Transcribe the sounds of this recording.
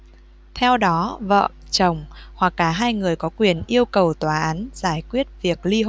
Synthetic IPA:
t̪ʰɛ˧wɗɔ˨˦və̰ː˧˨t͡ɕə˨˧˩wŋ͡mhwa˨˩kːaː˧˩ɦaː˧jŋɨ˨˩əjkɔ˨˦kwi˨˩ənʔi˧əwkə˨˩wt̪waː˨˩ʔaː˨˦nz̥aː˧˩jkwi˦˥ət̚vi˨˩ək̚li˧o˧˨

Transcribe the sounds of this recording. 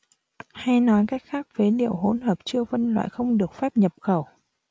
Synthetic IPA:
ha˧jnɔ˨˦jkaː˦˥jk̚xaː˦˥k̚ve˨˦ɗḭ˧˨əwɦo˨˦nɦəː˨˩p̚t͡ɕɨ˧əvə˧nlwa̰ː˧˨jxə˧wŋ͡mɗɨ˨˩ək̚fɛ˦˥p̚ɲə˨˩p̚xə˧˩w

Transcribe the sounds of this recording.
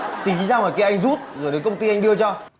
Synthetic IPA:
t̪i˨˦zaː˧mɔː˨˩jkaː˨˧˦ʔa˧jŋ̟zu˦˥t̚zo˨˩jɗe˨˦nkə˧wŋ͡mt̪i˧ʔa˧jŋ̟ɗɨ˧ət͡ɕɔ˧

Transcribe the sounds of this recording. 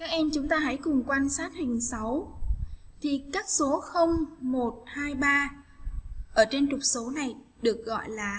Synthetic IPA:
kaː˦˥k̚ʔɛ˧mt͡ɕʊ˨˦ŋ͡mt̪aː˧ɦə̰˧˥jkʊ˨˩ŋ͡mkwaː˧nsaː˦˥t̚hï˨˩ŋ̟sa˨˦w | t̪ʰi˨˩kaː˦˥k̚so˨˦xə˧wŋ͡mmo˨˩t̚haː˧jɓaː˧ | ʔəː˧˩t͡ɕe˧nt͡ɕʊ˨˩k͡p̚so˨˦na˨˩j | ɗɨ˨˩ək̚ɣɔ̰˧˨jlaː˨˩

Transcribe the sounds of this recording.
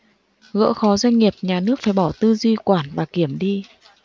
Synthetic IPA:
ɣə̰ː˧˥xɔ˨˦zwa˧jŋ̟ŋi˨˩əp̚ɲaː˨˩nɨ˦˥ək̚faː˧˩jɓɔ˧˩t̪ɨ˧zwi˧kwaː˧˩nvaː˨˩ki˧˩əmɗi˧

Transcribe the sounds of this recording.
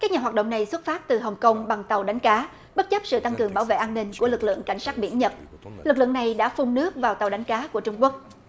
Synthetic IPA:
kaː˦˥k̚ɲaː˨˩waː˨˩t̚ɗo̰˧˨ŋ͡mna˨˩jswt̚faː˦˥t̚t̪ɨ˨˩ɦə˨˩wŋ͡mkə˧wŋ͡mɓa˨˩ŋt̪ə˨˩wɗa˨˦jŋ̟kaː˨˦ | ɓə˦˥t̚t͡ɕə˦˥p̚sɨ̰˧˨t̪a˧ŋkɨ˨˩əŋɓaː˧˩wvḛ˧˨ʔaː˧nːï˧ŋ̟ku˧˩əlɨ˨˩k̚lɨ̰˧˨əŋka˧˩jŋ̟saː˦˥t̚ɓḭ˧˩ənɲə˨˩t̚ | lɨ˨˩k̚lɨ̰˧˨əŋna˨˩jɗa̰ː˧˥fu˧ŋ͡mnɨ˦˥ək̚vaː˨˩wt̪a˨˩wɗa˨˦jŋ̟kaː˨˦ku˧˩ət͡ɕʊ˧ŋ͡mku˦˥ək̚

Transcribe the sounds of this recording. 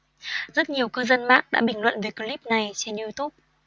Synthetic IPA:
zə˦˥t̚ɲi˨˩əwkəː˧zə˧nma̰ː˧˥k̚ɗa̰ː˧˥ɓï˧˩ŋ̟lwə̰˧˨nve˨˩jkə˧li˦˥p̚na˨˩jt͡ɕe˧nu˧t̪u˦˥p̚

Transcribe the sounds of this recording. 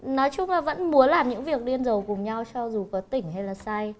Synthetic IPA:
nɔ˨˦jt͡ɕʊ˧ŋ͡mlaː˨˩və̰˧˥nmu˨˦ənlaː˨˩mɲɨ̰˧˥ŋvi˨˩ək̚ɗi˧ənzə˨˩wkʊ˨˩ŋ͡mɲa˧wt͡ɕɔ˧zu˨˩kɔ˨˦t̪ï˧˩ŋ̟ha˧jlaː˨˩sa˧j

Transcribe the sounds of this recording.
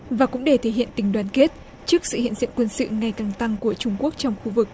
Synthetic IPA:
vaː˨˩kʊ̰˧˥ŋ͡mɗe˧˩t̪ʰe˧˩hɦḭ˧˨ənt̪ï˨˩ŋ̟ɗwaː˨˩nke˦˥t̚ | t͡ɕɨ˦˥ək̚sɨ̰˧˨hḭ˧˨ənzḭ˧˨nkwə˧nsɨ̰˧˨ŋa˨˩jkaː˨˩ŋt̪a˧ŋku˧˩ət͡ɕʊ˧ŋ͡mku˦˥ək̚t͡ɕɔ˧wŋ͡mxu˧vɨ˨˩k̚

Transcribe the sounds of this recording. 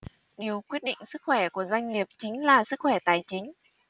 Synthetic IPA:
ɗi˨˩əwkwi˦˥ət̚ɗḭ˧˨ŋ̟sɨ˦˥k̚xwɛ˧˩ku˧˩əzwa˧jŋ̟li˨˩əp̚t͡ɕï˨˦ŋ̟laː˨˩sɨ˦˥k̚xwɛ˧˩t̪aː˨˩jt͡ɕï˨˦ŋ̟

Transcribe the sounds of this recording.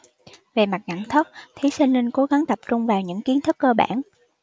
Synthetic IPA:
ve˨˩ma˨˩t̚ŋa̰˧˩˨nt̪ʰə˦˥k͡p̚t̪ʰi˨˦si˧ŋ̟li˧ŋ̟ko˨˦ɣa˨˦ŋt̪ə˨˩p̚t͡ɕʊ˧ŋ͡mvaː˨˩wɲɨ̰˧˥ŋki˨˦ənt̪ʰɨ˦˥kːəː˧ɓa̰ː˧˩n

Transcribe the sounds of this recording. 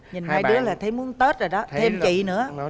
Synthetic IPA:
ɲi˨˩naaː˧jɗɨ˦˥əlaː˨˩t̪ʰə˨˦jmu˨˦ənt̪ə˦˥t̚zo˨˩jɗɔ˨˦t̪ʰe˧mt͡ɕḭ˧˨nɨ̰˧˥ə

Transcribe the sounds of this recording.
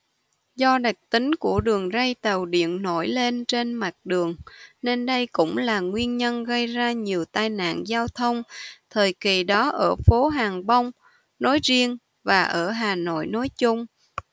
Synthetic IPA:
zɔ˧ɗa˨˩k̚t̪ï˨˦ŋ̟ku˧˩əɗɨ˨˩əŋzə˧jt̪ə˨˩wɗḭ˧˨ənno˧˩jle˧nt͡ɕe˧nma˨˩t̚ɗɨ˨˩əŋne˧nɗə˧jkʊ̰˧˥ŋ͡mlaː˨˩ŋwi˧ənɲə˧nɣə˧jzaː˧ɲi˨˩əwt̪aː˧jna̰ː˧˨nzaː˧wt̪ʰə˧wŋ͡mt̪ʰəː˨˩jki˨˩ɗɔ˨˦ʔəː˧˩fo˨˦ɦaː˨˩ŋɓə˧wŋ͡m | no˨˦jzi˧əŋ | vaː˨˩ʔəː˧˩ɦaː˨˩no̰˧˨jno˨˦jt͡ɕʊ˧ŋ͡m

